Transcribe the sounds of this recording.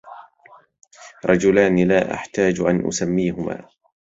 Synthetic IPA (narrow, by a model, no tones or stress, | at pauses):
ɾˤɑd͡ʒʊlaːnlaːʔa̰ħt̪aːd͡ʒʔanʔʊ̰samːiːɦʊma̰ː